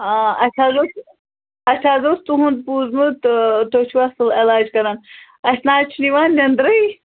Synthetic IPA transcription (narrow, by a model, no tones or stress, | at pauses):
aɐsʰaːzos | ɐt͡ʃʲʰaːzost̪uɦund̪̚puːzmut̪t̪ot͡ʃʰuʋasɨlelaːd͡ʒkɐɾan | ɐsʲnaːt͡ʃʰiniʋaːnːɐnd̪ɾɐj